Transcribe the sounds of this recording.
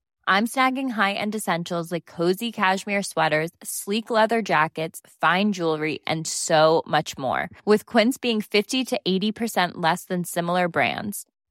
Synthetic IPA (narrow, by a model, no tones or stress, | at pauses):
ʔãɪ̃msnæɡɪ̃ŋɦaɪʔɨ̰̃ndɨsɛ̃nʃl̩ˠzlaɪkʰːoʊzikʰæʃmɪɹswɛɾə˞z̥sliklɛðə˞d͡ʒækɨtsfãɪ̃nd͡ʒulˠɹiʔɨ̰̃nsoʊmʌt͡ʃmɔ̰ɹwɨð̥kʰw̥ɪ̃nsb̥iɪ̃ŋfɪftiɾɨʔeɪɾipʰə˞sɛ̃nʔlɛsðɨ̃nsɪ̃ml̩ˠə˞bɹæ̰̃ndz̥